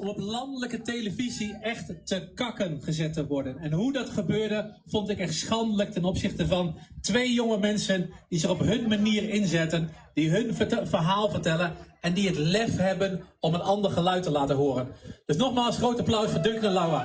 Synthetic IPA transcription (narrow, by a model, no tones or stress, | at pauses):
ɔmɔplɑndələkətejləviziɛχttəkɑkənχəzɛtəʋɔɹdənɛnɦudɑtχəbøːɹdə | v̥ɔntɪkɛχtsχɑndələk̚tɛnɔpsɪχtəvɑntʋejjʊŋəmɛnsənd̥izɪχɔpɦɵnmaniːrɪnzɛtən | d̥iɦɵnvərɦaːlˠvəɹtɛlənɛndiətlɛfɦɛbənɔmənɑndəɹχəlœɥtəlaːtənɦʊːɾənd̥ɵsnɔχmaːlˠsχrowtaplœwsfəɹdɵŋkənəlawa